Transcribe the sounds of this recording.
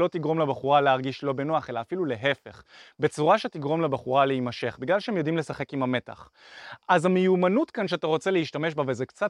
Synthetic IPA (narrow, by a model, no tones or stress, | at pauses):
o̞t̪iɡʁo̞mlebaχuʁaleaʁɡiʃlo̞benoaχelaːfilule̞ɦefe̞χbe̞t͡suʁaʃetiɡʁo̞mlebaχuʁaleimaʃe̞χbiɡlalʃehemjod̪imlesaχe̞kimame̞ta̰χ | ʔazamejumanutkanʃ̬eat̪aʁo̞t͡seleiʃtame̞ʃbavezekt͡sat